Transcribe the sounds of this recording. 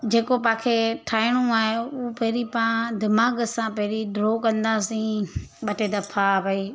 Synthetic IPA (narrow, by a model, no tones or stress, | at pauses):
d͡ʑeːkopãːkʰeʈʰaːɪɽ̃ũaːɦeupɐɦɾipãd̪ɪmaːɡsãpɐɦɪɾiɖɾoːkɐ̃nd̪aːsĩɓɐʈed̪ɐpʰabʱɐi